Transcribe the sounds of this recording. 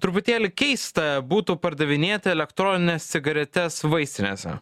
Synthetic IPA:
t̪ɾʊpʊt̪ʲeːlʲɪkʲɛɪst̪ɐbuːt̪uːpɐɾd̪ɐʋʲɪnʲeːt̪ʲɐɛlʲɛkt̪ɾɔːnʲɪnʲest̪ʲɪɡɐɾʲɛt̪ʲɛsʋɐɪsʲt̪ʲɪnʲḛːsʲɛ̰

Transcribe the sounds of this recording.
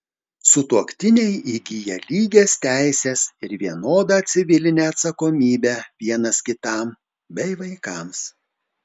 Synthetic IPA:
sʊt̪uɔkt̪ʲɪnʲɛɪiɡʲijɛlʲiːɡʲeːst̪ʲæˑɪsʲeːsɪɾʋʲiɛnoːd̪ɑt̪ʲsʲɪʋʲɪlʲɪnʲeːɐt̪sɐkoːmʲiːbʲæʋʲiɛnɐskʲɪt̪ɑˑm | bʲɛɪʋɐɪkɑms

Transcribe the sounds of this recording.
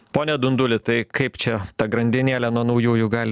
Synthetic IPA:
poːnʲɛd̪ʊnd̪ʊlʲɪt̪ɐɪkɐɪpt͡ʃʲɛt̪ɐɡɾɐnʲd̪ʲɪnʲeːlʲɛnuɔnɐʊjuːjʊɡɑːlʲ

